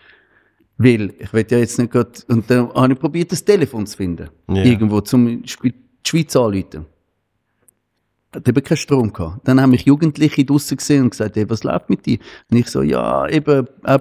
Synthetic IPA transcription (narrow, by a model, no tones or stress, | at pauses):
vɪlɪχʋɛtjɑːjɛt͡snɛt̚ɡ̥ʁɑdʊnt̚dɛnhɑniχpʁobiːɐtəstelefoːnt͡sfɪndə̰ɪɐɡən̩dvoːt͡sʊmʃpi | ʃv̥iːt͡sɑːlyːtə | hɛtɛbəkʰaɪʃtʁoːmkʰɑ̰ːd̥anhamɪχjuːɡəntlɪχidʊsəkseːʊnksaɪthevɑsla̰ʊftmɪt̚d̥ḭːɐʊnɪχso̰ːjɑ̰ːebəʔa